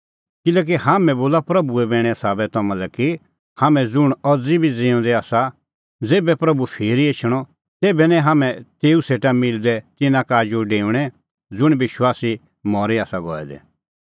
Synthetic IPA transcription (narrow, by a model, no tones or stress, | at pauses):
kɪlɛːk̬iɦaːmɛ̃boːlapɾɐbuɛbɛ̃ːɽ̃ɛsaːbɛt̪ɔmãlɛki | haːmɛ̃d͡zʊɽ̃ɔd͡zibʱid͡zeːɔ̃d̪ɛaːsa | d͡zeːbɛpɾɐbupʰeːɾiet͡ʃʰəɽ̃ɔ | t̪eːbɛnɛ̃ɦaːmɛ̃t̪eːuseːʈamɪld̪ɛt̪ɪnãkaːd͡ʒuɖeːũɽ̃ɛ | d͡zʊɽ̃bɪʃwaːsi | mɔːɾiaːsaɡɔ̰ːɛ̰d̪ɛ̰